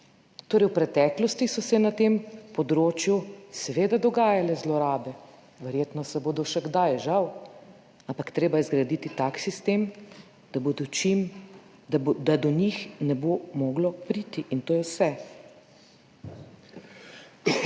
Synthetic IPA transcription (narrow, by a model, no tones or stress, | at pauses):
t̪oːɾɛjwpɾɛt̪ɛːklɔst̪isɔsɛnat̪empɔd̪ɾoːt͡ʃjusɛʋeːd̪ad̪ɔɡaːjalɛzlɔɾaːbɛ | ʋɛɾjeːt̪nɔsɛboːd̪ɔʃɛɡd̪ajʒaw | ampakt̪ɾeːbajɛzɡɾad̪it̪it̪aksist̪eːm | d̪̥abd̪ɔt͡ʃim | d̪ad̪ɔɲixnɛbomɔːɡlɔpɾiːt̪iʔint̪oːjɛwsɛ